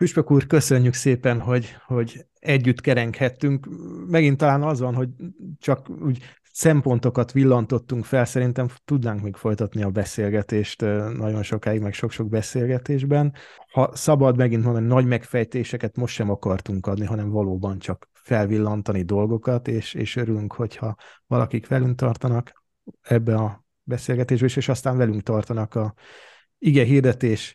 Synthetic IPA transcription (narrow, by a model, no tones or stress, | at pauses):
fyʃpøkuːrkø̞sø̞ɲːykseːpɛnɦo̞ɟho̞ɟ | ɛɟːyt̪ːkɛɾɛŋkhɛt̪ːyŋkmɛɡint̪ːɒlaːnɒzʋɒnɦo̞ɟt͡ʃɒkuːɟ | sɛmpo̞nt̪o̞kɒt̪ʋilːɒnt̪o̞t̪ːuŋkfɛlsɛɾin̪t̪ɛmt̪ud̪naːŋkmeːkfo̞jt̪ɒt̪niɒbɛseːlɡɛt̪eːʃt̪nʔɒɟo̞nʃo̞kaːiɡmɛkʃo̞kʃo̞ɡ̚bɛseːlɡɛt̪eːʒbɛnhɒsɒbɒd̪mɛɡint̪mond̪ninɒɟmɛkfɛjt̪eːʃɛkɛt̪mo̞ʃt̪ːʃɛmɒkɒrt̪uŋkɒd̪niɦɒnɛɱvɒloːbɒnt͡ʃɒk | fɛlvilːɒnt̪ɒnid̪o̞lɡo̞kɒt̪eːʃḛːʃøɾylyŋkho̞chɒvɒlɒkikʋɛlyŋk̚t̪ɒrt̪ɒnɒk | ɛbːɛnɒ | bɛseːlɡɛt̪eːʒbɛeʃeːʃɒst̪aːnvɛlyŋkt̪ɒrt̪ɒnɒkɒ | iɡɛɦird̪ɛt̪eːʃ